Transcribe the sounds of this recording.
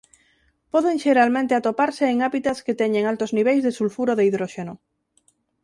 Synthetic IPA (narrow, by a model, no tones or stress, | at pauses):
pɔðeŋʃeɾalmẽnt̪eat̪opaɾseːŋaβit̪asket̪ɛɲeŋalt̪ozniβejzðesulfuɾoðeiðɾoʃeno